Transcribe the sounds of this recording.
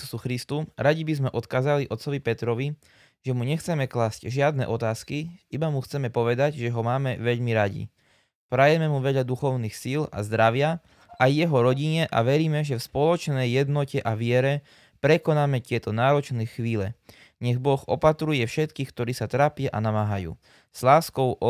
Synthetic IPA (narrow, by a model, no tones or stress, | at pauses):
suxɾist̪uɾaɟibizmɛʔɔt̪kaːzaliʔɔt̪sɔʋipɛt̪ɾɔʋi | ʒ̥ɛmuɲɛxt͡sɛmɛklaːscʒɪad̪nɛ̰ʔɔt̪aːskiibamuxt͡sɛmɛpɔʋɛd̪aɟʒɛɦɔmaːmɛʋɛʎmiɾaɟḭ | pɾajɛmɛmuʋɛʎad̪uxɔʊniːxsila̰zd̪ɾaʋɪa | ʔajːɛɦɔɾɔɟiɲɛʔa̰ʋɛɾiːmɛʒɛfspɔlɔt͡ʃnɛjːɛd̪nɔcɛʔaʋɪɛɾɛ | pɾɛkɔnaːmɛc̪ɪɛt̪ɔnaːɾɔt͡ʃnɛxʋiːlɛ | ɲɛɣbɔɣɔ̰pat̪ɾujɛfʃɛt̪kiːxk̚t̪ɔɾiːsat̪ɾaːpɪaʔanamaːɦajṵː | z̥laːskɔʊɔ